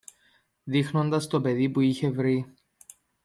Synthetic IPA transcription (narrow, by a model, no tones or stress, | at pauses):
ðixno̞nd̪ɐst̪o̞pe̞ðipuiçe̞vɾi